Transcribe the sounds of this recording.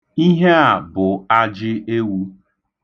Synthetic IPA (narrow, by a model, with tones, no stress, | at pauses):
i˦ɦe˦a˨bʊ˨a˦d͡ʒɪ˦e˦wu˦